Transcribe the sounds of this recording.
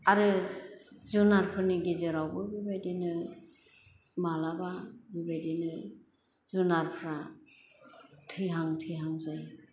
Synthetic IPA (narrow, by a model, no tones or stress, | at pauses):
aɾɯ | zunaɾpʰɯɾniɡezeɾawbɯbibajdenɯ | malababibajdenɯ | zunaɾpʰɾa | tʰɯjɦaŋtʰɯjɦaŋzaj